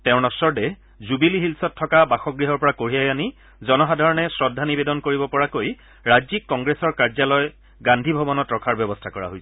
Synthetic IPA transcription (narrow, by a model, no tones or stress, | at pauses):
tɛ̃ʊ̃nɔsɔɹdɛ | zubiliɦilsɔtʰːɔkabaxɔɡɹiɦɔɹpɔɹakoɹiajani | zɔnɔɦadʱaɹɔnɛsɹɔdʱːanibedɔnkoɹibɔpɔɹakoj | ɹazikːɔŋɡɹesɔɹkaɹzalɔj | ɡandʱibʱɔbɔnɔtɹɔkʰaɹbjɔbɔstʰakɔɹa̰ɦojs